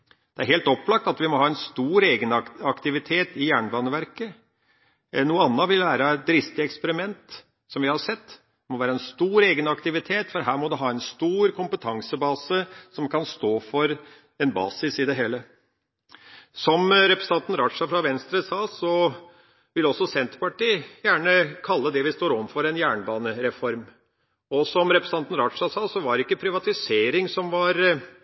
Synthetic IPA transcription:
d̪̥ɛæɾheːlt̪ɔpːlɑk̚t̪ɑt̪ʋɪmɔhɑːɛnst̪uːɾeːɡənɑkt̪ɪʋɪt̪ʰeːt̪ɪjæːɳbɑːnəʋæɾkə | nuːəɑnːəʋɪlʋæːɾɑæt̪̚d̪ɾɪst̪ɪɛkspəɾɪmɛnt̪ | sɔmʋɪhɑɾʂɛt̪ː | mɔʋæːɾəɛnst̪uːɾeːɡənɑkt̪ɪʋɪt̪ʰeːt̪fɔɾɦæːɾmɔd̪ʉɦɑːɛnst̪uːɾkʰʊmpət̪ʰɑŋsəbɑːsəsɔmkʰɑnst̪oːfɔɾ | ɛnbɑ̰ːsɪsɪd̪ɛɦeːlə | sɔmɾɛpɾɛsn̩t̪ɑnt̪n̩ɾɑt̪ʂɑfɾɑʋɛnst̪ɾəsɑːsɔ | ʋɪlɔsːɔsɛnt̪ɾpɑʈiːjæːɳəkʰɑlːəd̪ɛʋɪst̪oːɾɔmfɔɾɛnjæːɳbɑːnəɾɛfɔɾm | ɔsɔmɾɛpɾɛsnɑnt̪n̩ɾɑʈ̪ʂɑsɑːsɔʋɑɖɛɪkːəpʰɾɪʋɑt̪ɪseːɾɪŋsɔmʋɑɾ

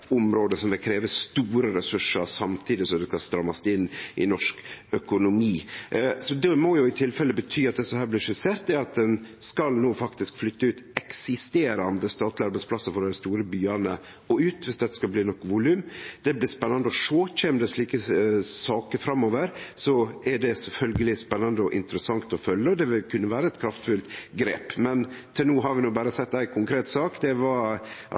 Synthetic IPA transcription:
ʊmɾoːd̪əsɔmʋɪkʰɾeːʋəst̪uːɾəɾɛsʉʂəɾsɑmt̪ʰiːd̪ɪsɔmd̪ʉkɑst̪ɾɑmːɑst̪ɪnːʔɪ̰nɔʂkœkʊnʊmiːsɔd̪ɛmɔjʊɪt̪ʰɪlfɛlːəbət̪ʰyːɑt̪̚d̪ɛsɔhæːɾblɪɾʂʉseːɾt̪̚d̪ɛɑt̪̚d̪ɛnskɑlnoːfɑkt̪ɪskflʏt̪ːəʉːt̪ɛksɪst̪eːɾɑnd̪əst̪ɑːt̪lɪɑɾbæɪspʰlɑsəfɔɖɛɪst̪uːɾəbyːɑnə | ɔʉːt̪ʋɪsd̪ɛt̪ə̥skɑlbliːnɔkːʋʊlʉːmd̪̥ɛblɪːspɛnːɑnd̪əɔʂoːçɛmd̪ɛsɭiːkəsɑːkəɾfɾɑmːoːʋəɾsɔɛɖɛsɛlfœlɡəlɪspɛnːɑnd̪əɔʔɪ̰nt̪əɾəsɑŋt̪ɔfœlːəɔd̪ɛʋɪlkʰʉnːəʋæːɾəɛt̪kʰɾɑft̪fʉlt̪ɡɾeːpmɛnt̪ʰɪnuːɦɑɾʋɪnuːbæːɾəsɛt̪ːæɪkʰʊŋkʰɾeːt̪sɑːkd̪ɛʋɑ

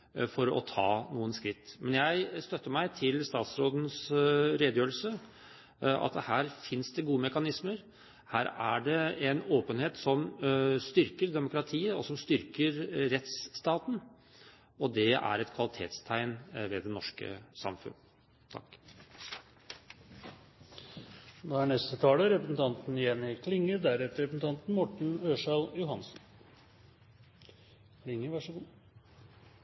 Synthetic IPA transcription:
fɔɾɔ̰t̪ʰɑːnuːənskɾɪt̪ːmɛnjæɪst̪œt̪ːəmæɪt̪ʰɪlst̪ɑːt̪sɾoːd̪n̩sɾeːd̪əjøːəl̩sə | ʔɑ̰t̪hæːɾfɪnsd̪ɛɡuːəmɛkɑnɪsməɾ | hæːɾæɖɛɛnoːpənheːt̪sɔmst̪ʏɾkəɾɖ̪ɛmʊkɾɑt̪ʰiːəɔsɔmst̪ʏɾkəɾɾɛt̪sːt̪ɑːt̪n̩ | ɔd̪ɛæ̰ɾɛt̪kʰʋɑlɪt̪ʰḛːt̪st̪ʰæɪnʋed̪ɛnɔʂkə̰sɑ̰mfʉ̰n | t̪ʰɑ̰kː | d̪ohæɳɛst̪ət̪ʰɑːləɾɛpɾəsn̩t̪ʰɑnt̪n̩ɪjɛnːɪkʰlɪŋːəd̪æɾɛt̪əɾɛpsn̩t̪ʰɑnt̪n̩mɔʈɳ̩øːʂɑljʊhɑnsn̩ | kʰlɪŋːəʋɑʂɔɡuː

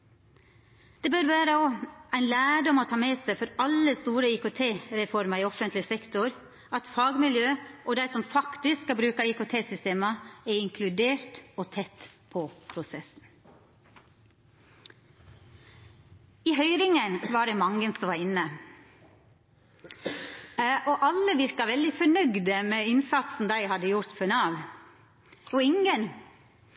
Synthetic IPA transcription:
d̪̥ɛːbøɾʋæːɾəoæɪnlæːɖɔmɔːt̪ʰɑːmeːsæɪfɔɾɑlːəst̪uːɾəiːkoːt̪ʰeːɾɛfɔɾmɑɪːɔfənt̪ʰlɪsɛkt̪ʊɾ | ɑt̪fɑːɡmɪljøːʔoːd̪æɪsɔmfɑkt̪ɪsskɑbɾʉːkɑiːkʊt̪ʰeːsʏst̪eːməɛɾɪŋkʰlʉd̪eːɾtoːt̪ʰɛt̪ːpʰɔpʰɾʊsɛsn̩ | iːɦœʏɾɪŋənʋɑɖɛmɑŋənsɔmʋɑɾɪnːə | ʔɔʔɑlːəʋɪɾkɑʋɛld̪ɪfɔɳœɡd̪əmɛɪnsɑt̪sn̩d̪æɪhɑd̪ːəjʊɾt̪fœnɑːʋ | ɔɪŋən

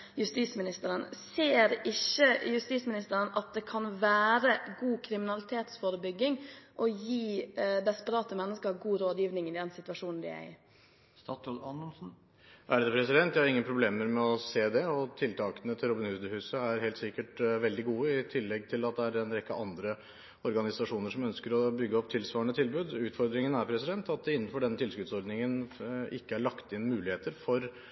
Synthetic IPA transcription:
jʉst̪iːsmɪnɪst̪əɾənseːɾɪçːəjʉst̪iːsmɪnɪst̪əɾənʔɑt̪̚d̪ɛkʰɑnʋæːɾəɡuːkʰɾɪmɪnɑlɪt̪ʰeːt̪sfoːɾəbʏɡːɪŋʔɔjiːd̪ɛspəɾɑːt̪əmɛnːəskəɾɡuːɾoːd̪jiːʋnɪŋɪd̪ɛnsɪt̪ʋɑʂuːnn̩d̪ɪ̰æ̰ɪ̰ | st̪ɑt̪ɔlɑnəlsn̩ | ʔæɖd̪ɛpʰɾɛsɪd̪ɛnt̪jæhɑɾɪŋːənpʰɾʊbleːməɾmɛɔseːd̪ɛɔt̪ʰɪlt̪ʰɑːkənət̪ʰɪlɾʊbɪnhʉːsd̪əhʉːsəæɾhɛːlt̪sɪkːəʈʋɛld̪ɪɡuːəɪt̪ʰɪlːɛɡ̚t̪ʰɪlɑt̪̚d̪ɛæɖɛnɾɛkːəʔɑnd̪ɾə | ɔɾɡɑnɪsɑʂuːnəɾʂɔmœnskəɾɔbʏɡːəɔp̚t̪ʰɪlsʋɑːəɳət̪ʰɪlbʉːd̪ʉːt̪fɔɾd̪ɾɪŋənæɾpʰɾɛsɪd̪ɛnt̪ɑt̪̚d̪ɛɪnːən̩fɔɖɛnːət̪ʰɪlskʉt̪sɔɾd̪nɪŋənʔɪkːəæɭɑkt̪ɪnmʉːlɪheːt̪əɾfɔɾ

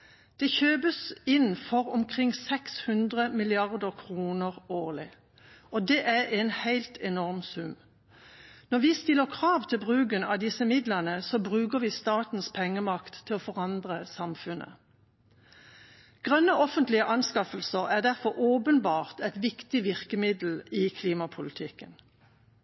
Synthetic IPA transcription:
d̪̥ɛçøːbəsɪnfɔʁʊmkʰʁɪŋsɛkshʉnd̪ʁəmɪlɪɑʁd̪əʁkʰʁuːnəʁoːʁlɪ | od̪eːʔæɛnhæɪlt̪ʰɛnɔʁmsʉm | nɔʁʋɪːst̪ɪlːəʁkʰʁɑːʋt̪ʰɪlbʁʉːɡənɑd̪ɪsəmɪd̪lənəsɔbʁʉːkəʁʋɪːst̪ɑːt̪n̩spʰɛŋːəmɑkt̪ʰːɪlɔfɔʁɑnd̪ʁəsɑmfʉnʔə̰ | ɡ̥ʁœnːəʔɔfənt̪lɪəʔɑnskɑfəlsəʁæʁd̪æʁfɔʁʔoːpənbɑːʁt̪ɛt̪ʋɪkt̪ɪʋɪʁkəmɪd̪l̩ɪkʰliːmɑpʰʊlɪt̪ʰɪkːən

